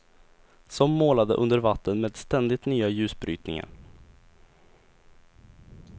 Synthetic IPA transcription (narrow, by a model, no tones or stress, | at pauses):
sɔmːoːlad̪ə̰ʔɵnd̪əɾvat̪ʰːənmeːd̪st̪ɛnd̪ɪt̪nyːajʉ̟ːsbɾy̰ːt̪nɪ̰ŋa̰ɾ